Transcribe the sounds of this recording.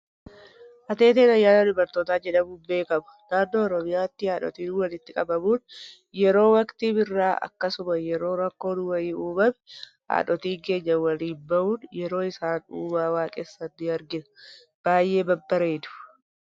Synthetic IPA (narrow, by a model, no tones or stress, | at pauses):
ʔɐt̪e̞ːt̪eːnɐjːaːnɐd̪ʊbɐɾt̪oːt̪aːd͡ʒɛᶑɐbuːbe̞ːkɐmɐ̥d̪aːɾd̪o̞ːɾɔmɪjaːt̪ːɪhaːᶑɔ̰t̪iːnwɐlɪt̪ːɪkʼɐbɐmuːn | jɛɾo̞ːwɐkt̪iːbɪrːaːɐ̰kːɐsʊmɐjɛɾo̞ːɾɐkːo̞ːdʊwɐiːuːbɐm | a̰ːᶑɔt̪iːɡe̞ːɲːɐwɐliːnbɐʔuːnjɛɾo̞ːɪsaːnuːbaːwaːkʼeːsːɐt̪ːɪɐɾɡɪn | b̥aːjːʔe̞ːbɐbːɐɾeːd̪ʊ̥